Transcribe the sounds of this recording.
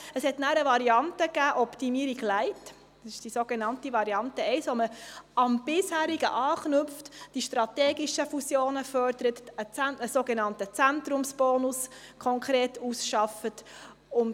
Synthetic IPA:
əshɛtnæːɾəvɑɾiɑntəɡæːʔɔptimiːəɾiɡlæɪt | ɑsɪʃd̥isoːɡ̥enɑntivɑɾiɑntəɛɪsʋoməɑmb̥ɪshæːɾiɡə̰ʔɑːχnʏpftd̥iʃtɾɑt̪ɛːɡiʃəfusjoːnəfœɾd̪əɾətət͡sænəsoːɡenɑntət͡sænt̪ɾʊmsb̥ɔːnʊskʰɔŋkʰɾeːtusʃɑfət | ʊn

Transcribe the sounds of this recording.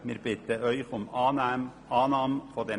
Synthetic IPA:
mɪɾb̥ɪt̪əʔœʏçʊm | ɑːnɑːmfode

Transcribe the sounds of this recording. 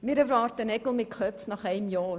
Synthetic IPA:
miɾəvrɑːrtənɛkəlˠmikχœpnɐχɛjmjɑːr

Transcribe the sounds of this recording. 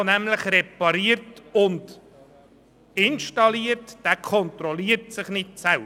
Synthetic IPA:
næmləχɾɛpɑɾiəɾtʊnd | ɪnʃtɑliəɾtd̥ækʰɔnt̪ɾɔliːəɾtsɪχnɪtsɛl

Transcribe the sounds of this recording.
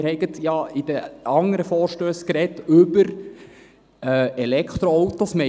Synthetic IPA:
ɾhɛɪɡətjɑid̥̪əɑŋəɾəfɔːɾʃtøːskɾɛtʏbəɾ | ɛlɛkχt̪ɾoowt̪osmɛ

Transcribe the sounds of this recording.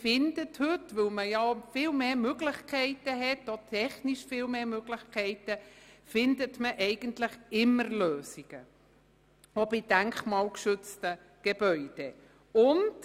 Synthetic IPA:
fɪndəthɵtʋɵlməjɑfɪːlmeːmøɡlɪχkʰɛɪtəɦɛtotʰɛχniʃfiːlmeːmøɡlɪχkʰɛɪtəfɪndətməʔɛɪɡ̥əntlɪχɪmːəɾløːsiɡ̥ə | obid̥æŋkχmɑːlkʃʏt͡stə | ɡ̥eb̥œʏd̥e | ʊnd

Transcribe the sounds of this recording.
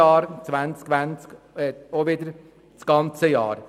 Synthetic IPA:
ɑːɾsʋænskʋɛnsk | ɔʋiːd̪əɾ | sɡ̥ɑnt̪səjɑ̰ːɾ

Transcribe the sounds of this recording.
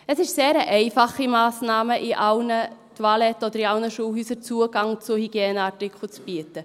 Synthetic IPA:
əsɪʃseːɾəʔɛɪfɑχimɑːsnɑːməʔiʔɑlnətʰwɑlɛtːɔd̪əɾiɑlnəʃuːhyːsəɾt͡suəɡ̥ɑŋt͡sʊhiɡ̥jeːnəɑtɪkχl̩t͡sb̥yətə

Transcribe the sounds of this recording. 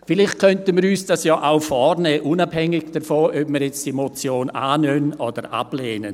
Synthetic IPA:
fɪlɪχt̚kʰœntənmiːɾyːsd̥asjɔːʔaʊfɔrnɛːʔunab̥hɛŋɪɡd̥əfoʔœpmiːɾjɛt͡sd̥iemot͡sjoːnaːnøːnʔɔd̥əɾa̰b̥leːnən

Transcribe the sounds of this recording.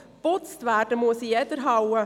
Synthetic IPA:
b̥ɔt̪st̪ʋæːʈəmuəsiɛd̪əɾɦawə

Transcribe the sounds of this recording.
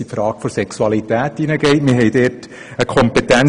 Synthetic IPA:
ipfɾɑːɡ̥fɔɾsɛksuɑlitæːtːinəɡ̥ɛɪtmɪɦɛɪdeːt | əkʰɔmpet̪æn

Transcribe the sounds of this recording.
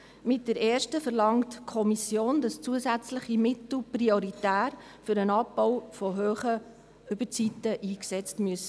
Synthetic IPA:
mɪt̚d̥ɛɾɛːɾʃtəfəɾlɑŋtkʰɔmisjoːndɑst͡suəzæt͡sləχimɪtl̩prioɾitæːɾ | fʏɾənɑb̚bɔwfɔɦøːχə | ʏbət͡sitːəʔiːksɛt͡stmyəsə

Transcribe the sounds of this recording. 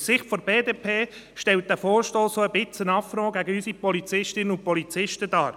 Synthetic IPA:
sɪχtfoɾb̥eːdeːpʰeː | ʃtɛlt̚d̥̪æfoːɾʃtoːssoəbɪt͡sənɑfɾoːɡ̥æɡəysipɔlit͡sɪʃtɪnənʊnpɔlit͡sɪʃtədɑːɾ

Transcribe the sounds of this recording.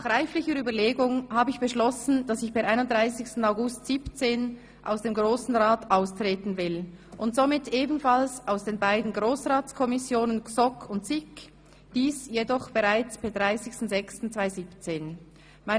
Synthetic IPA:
naχʁaɪflɪçəɾyːbɐleːɡʊŋhaːbəɪçb̥əʃlɔsn̩d̥asɪçb̥ɛʔaɪnʊnd̥ʁaɪsɪçstn̩aʊɡʊstz̥iːpt͡seːn | ʔa̰ʊsd̥eːmɡʁoːsn̩ʁaːtʔaʊstʁ̥eːtn̩vɪlʔʊntz̥omɪteːbn̩falsaʊsd̥eːnbaɪdn̩ɡʁoːsʁaːt͡skʰɔmɪsjoːnənksɔkʰʊntsɪk | d̥iːsjedɔχb̥ɛʁaɪt͡sb̥eɛd̥ʁaɪsɪçstn̩zɛkstn̩t͡sv̥aɪziːpt͡seːn | maɪ

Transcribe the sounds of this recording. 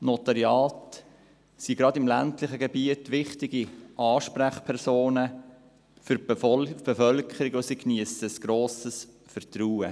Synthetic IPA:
not̪ɑɾjɑːt | siɡ̥ɾɑdɪmlæ̰ntlɪχəɡɛbiətʋɪχtɪɡiʔɑːʃpɾæχpʰɛɾsoːnə | fʏɾb̥efœlkʰəɾɪɡosikniəsəəsɡ̥ɾoːsəs | fəɾt̪ɾuːə̰

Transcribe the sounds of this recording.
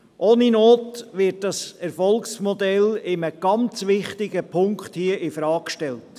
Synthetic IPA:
ʔoːninoːtʋɪt̚dɑsɛɾfɔlksmɔdɛlɪməɡ̥ɑnt͡sʋɪχtɪɡəpʰʊŋkχthiəʔɪfɾɑːkʃtɛlt

